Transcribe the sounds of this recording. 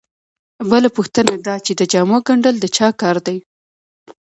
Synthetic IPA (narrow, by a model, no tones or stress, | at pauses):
bəlapuxt̪ənad̪ɑt͡ʃed̪əd͡ʒɑmoɡaɳɖəld̪ət͡ʃɑkɑɾd̪aj